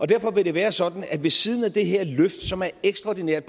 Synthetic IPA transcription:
ɒd̥æɐ̰fɒ̽ʋe̝ɾe̝ʋæːɐsɒ̽d̥n̩æd̥ʋe̝siːð̞ˠn̩æd̥e̝ɦe̝ɐ̰løfd̥sɒ̽mæɐeɡ̥sd̥ʁɑɒ̰d̥ineɐ̰d̥̚ʰ

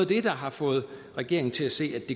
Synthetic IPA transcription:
ð̩ˠd̥e̝d̥ɑ̈ɦɑ̈fɔ̽ːð̞̩ˠʁɛɡ̥e̝̰ɐ̰eŋn̩t͡sʰe̝læse̝̰ːæd̥e̝

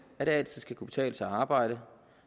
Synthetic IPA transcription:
æd̥eæl̰t͡sʰið̞̰ˠsɡ̥ækʰub̥e̥t͡sʰɛ̰ːləsɑɑ̈ːb̥ɑ̈ɪ̰ɾ̥ə

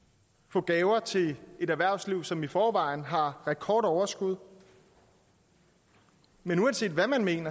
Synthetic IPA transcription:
fɔ̽ːɡ̥ɛːʊɐt͡sʰe̝e̝ɾæʋæɐ̰sliʊ̰sɒ̽mifɒːʋɑ̈ɪ̰n̩ɦɑ̈ʁɛkʰɒːd̥ɒʊɐsɡ̥uð̞ˠ | menuɛnse̝̰ːdʋæmænme̝̰ːnɐ

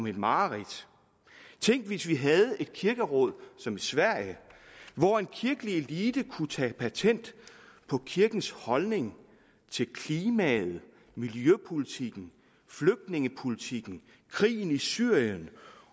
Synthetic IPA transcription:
me̝d̥mɑ̈ːʁid̥ | t͡sʰeŋ̰ɡ̥ʋisʋiɦæð̞ˠe̝d̥̚kʰiɐɡ̥əʁɔ̽ð̰ˠsɒ̽misʋæɐ̰jəʋɒe̝nkʰiɐɡ̥əlieliːd̥əkʰut͡sʰɛ̰pʰæt͡sʰen̰d̥pʰɒ̽kʰiɐɡ̥n̩shɒ̽lne̝ŋ | t͡sʰe̝lkʰliːmæð̩ˠ | miljøpʰo̝lit͡sʰiɡ̥n̩ | fløɡ̥̚d̥ne̝ŋəpʰo̝lit͡sʰiɡ̥n̩ | kʰʁḭːn̩isyɐ̰jən

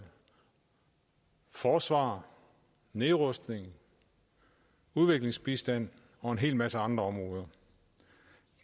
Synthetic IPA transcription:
fɒːsʋɑ̰̈ː | neːʁɔsd̥ne̝ŋ | uðˠʋe̝ɡ̥le̝ŋsb̥isd̥æn̰ | ɒ̽e̝nɦe̝̰ːlmæsəɑ̈nd̥ʁɐɒ̽mʁɔːð̞ˠɐ

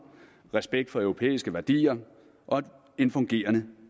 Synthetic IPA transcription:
ʁɛsb̥eɡ̥̚d̥fɒ̽œʊʁo̝pʰḛːisɡ̥əʋæɐd̥ḭːɐ | ʔɒ̽ | e̝nfɔ̽ŋɡ̥e̝̰ːɐnə

